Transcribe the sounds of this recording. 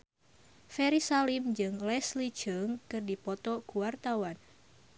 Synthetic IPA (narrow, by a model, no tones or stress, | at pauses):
fɛɾisalimd͡ʒɨŋlɛsli̥d͡ʒ̥ɨŋkɨrdipɔt̪ɔɡuwart̪awan